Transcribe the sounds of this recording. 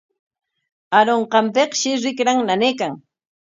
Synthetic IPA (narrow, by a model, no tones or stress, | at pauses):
aɾoɴqɑmpeχʃɪɾɪkɾaŋnaneːkaŋ